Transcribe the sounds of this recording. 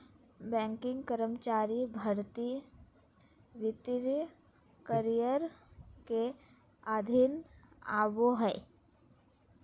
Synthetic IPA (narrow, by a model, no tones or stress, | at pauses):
bɛ̃ːŋkɪ̃ŋɡkəɾəmt͡ʃaːɾibʱəɾt̪i | ʋɪt̪ɪɾ | kəɾijəɾke | ad̪ʱɪna̰ːʋoɦɛː